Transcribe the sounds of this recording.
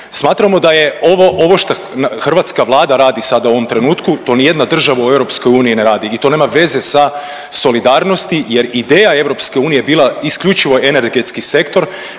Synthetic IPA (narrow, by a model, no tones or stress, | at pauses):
smaːt̪ɾamo̞d̪aje̞oʋoʔoʋo̞ʃt̪a | xrʋat̪skaʋlˠaːd̪aɾaːd̪isad̪auo̞ʋomt̪ɾe̞nuːt̪kut̪o̞nije̞d̪nad̪r̩ʒaʋaue̞vɾo̞psko̞juːnijineɾaːd̪iːt̪o̞ne̞ːmaʋe̞ze̞sa | so̞lid̪aːɾno̞st̪ije̞ɾid̪eːjae̞ʋɾo̞pske̞uːnijebiːlˠaiskʎut͡ʃiʋo̞ʔe̞ne̞ɾɡe̞t̪skise̞kt̪o̞ɾ